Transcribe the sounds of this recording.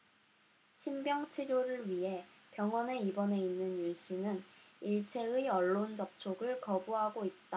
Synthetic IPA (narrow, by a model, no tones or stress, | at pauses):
ɕʰimbjʌŋt͡ɕʰiɾjoɾɯɭɥiɦe̞pjʌŋwʌne̞ibʌne̞inːɯnjuɕ͈ʰinɯniɭt͡ɕʰe̞ɯiʌɭːond͡ʑʌp̚t͡ɕʰoɡɯɭkʌbuɦaɡoit̚t͈a